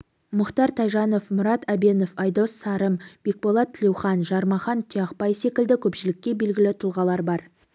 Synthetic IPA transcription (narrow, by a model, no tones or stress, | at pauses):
mʊqt̪ɑɾt̪ʰɑjʒɑno̞fmʊɾɑt̪æbe̞no̞fɑjd̪o̞sːɑɾəmb̥e̞k̚bo̞lˠɑt̪ʰːɪlewχɑnʒɑɾmɑχɑnt̪ʰijɑqpɑjse̞kʲɪld̪ɪkʲʰɵpʃɪlɪkʲːe̞be̞lɡʲɪlɪt̪ʰʊlˠʁɑlˠɑɾbɑɾ